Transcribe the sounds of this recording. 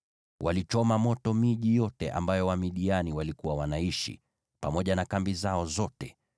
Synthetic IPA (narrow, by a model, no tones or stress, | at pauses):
wʔalit͡ʃɔmamɔtɔmiʄijɔtɛʔa̰mbajɔwamiɗianiwalikuwawanaiʃḭ | pamɔʄanakambizaɔzɔtɛ